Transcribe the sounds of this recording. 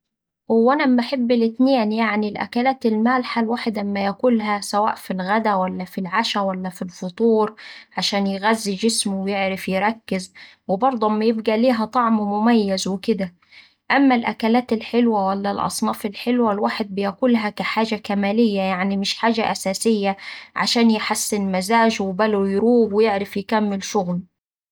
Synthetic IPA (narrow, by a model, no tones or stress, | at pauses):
wʔænæaħebːɪlʔɪt̪nɪjaːnjaʕnilʔæ̰kælaːt̪ɪlmaːlħalwaːħɪd̪mːæjakuːlɦæsawa̰ːʔfilɣæd̪æwælːæfilʕaʃæwælːæfilfʊt̪ˤuːɾʕaʃaːnjɪɣæzːid͡ʒɪsmʊwɪjeʕɾɪfjɪɾˤɑkːɪz | wɪbɑɾˤd̪ˤumːajɪbɡæliːɦæt̪ˤɑʕmwɪmʊmæjːazwɪkɪd̪æ | ʔamːælʔækælaːt̪ɪlħɪlwæwælːælʔɑ̰sˤnɑːfɪlħelwælwaːħɪd̪̚bɪjakuːlɦækæħaːʒakæmæːlɪjːæjaʕnimɪʃħaːʒaʔæsæːsɪjːæʕa̰ʃaːnjɪħasːɪnmazaːʒwɪbælʊjɾuːbwɪjɪʕɾɪfjɪkæmːɪlʃʊɣl